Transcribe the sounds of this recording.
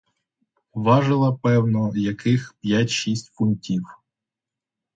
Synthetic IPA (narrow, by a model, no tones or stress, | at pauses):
ʋɑʒɪlˠɐpɛwnɔjɐkɪxpʲjatʲʃisʲtʲfuntʲiw